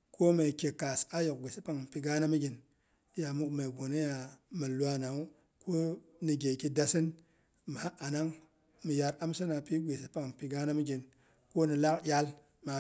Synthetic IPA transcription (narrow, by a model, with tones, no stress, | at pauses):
ko˦me˨kʲe˨ka˨sa˦jo˨k̚ɡʷe˨si˦pa˨ŋ˨pi˨ɡa˦na˦mi˦ɡʲi˨n˦ | ja˨mu˦kme˨ɡo˨ne˦ja˨mi˨lʷa˦na˨u˦ | kʰo˦ | ni˨ɡʲe˨ki˦da˨si˦n | m˨a˦a˨na˦ŋ | mi˨ja˨ɾa˦msi˦na˨pi˦ɡʷe˨si˦pa˨ŋ˨pi˨ɡa˦na˦mi˦ɡʲi˨n | ko˦ni˨la˦kjʲa˦l | ma˨